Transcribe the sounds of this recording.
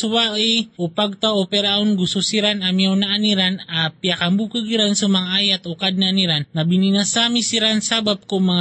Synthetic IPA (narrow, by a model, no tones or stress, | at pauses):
suwaiupaɡ̚t̪aopɛɾaunɡususiɾanamiaunaːniɾanapiakambukəɡiɾansumaŋajat̪okad̚naniɾanːabininasamisiɾansabap̚komaŋ